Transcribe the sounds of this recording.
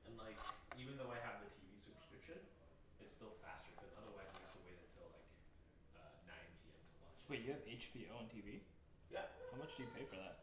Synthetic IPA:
ɨ̃nlaɪkivɨ̃nðoʊaɪɨvðɨtʰivisʉpə̥˞skɹ̥ɪpʃɨ̃n | ɨtstɪlˠfæ̰stə˞kʰʌzʌðə˞waɪzɨstəweɪɾɨtʰɨlˠla̰ɪk | ʌnãɪ̃nd͡ʒʰiɛ̰̃ntʰəlɑ̰̃t͡ʃwɛjɨɨveɪt͡ʃpʰioʊə̃ntʰivi | jæhaʊmʌt͡ʃd̥ɨjɨpʰeɪfə˞ðæ̰t̚

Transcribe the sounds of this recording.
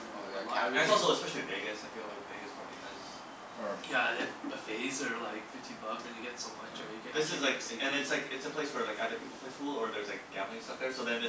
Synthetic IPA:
ɨ̃nɨtsɔlˠsoʊəspɛʃl̩ˠibɪɡɨstaɪθɪ̃klɔɾbɪɡɨspʰɑbḭa̰ɪz̥ | jæɪəfeɪzə˞laɪkfɪftʰĩnbʌɡzðɨ̃njɨɡɛtsʌ̃m̃ɪ̃t͡ʃʰəɨɡɛ̃ðɪsɨzlaɪksɨ̃nɨtslaɪkɨtsɨpʰl̥eɪswə˞laɪkæɾɨpʰipl̩ˠpʰleɪsfulˠə˞ðə˞zlaɪk̚ɡ̥æblˠɪ̃ŋsʌt̚ðə˞soʊðɨ̃nɨ

